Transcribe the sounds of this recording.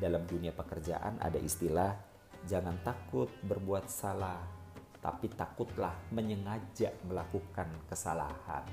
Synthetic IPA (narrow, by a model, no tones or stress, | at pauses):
dalamduniapəkərd͡ʒa̰ʔa̰nʔa̰da̰ʔist̪ilah | d͡ʒaŋant̪akʊt̪̚bərbuat̪̚salah | t̪a̰pit̪akʊt̪̚lahməɲəŋad͡ʒaʔməlakukankəsala̰ha̰n